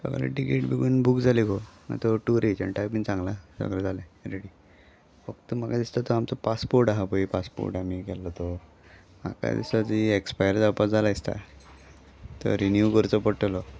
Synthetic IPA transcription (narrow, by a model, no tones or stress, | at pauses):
sɔ̰ɡɾḛʈikeʈbiɡuːnbukd͡zʱalikona̰t̪ɔʈuɾet͡ɕəɳʈapint͡sãŋɡlasɔ̰ɡɾɛd͡zalɛ̃ɾeɽi | fəkt̪umakad̪ist̪at̪ɔamt͡sɔpaspoɾʈaɦapoipaspo̰ɾʈamikɛlːɔt̪ɔ | ma̰ka̰d̪ḭst̪ad͡ziekspajəɾd͡zapad͡zalaist̪a̰ | t̪ɔ̰ɾinjukəɾt͡sɔpəʈlɔ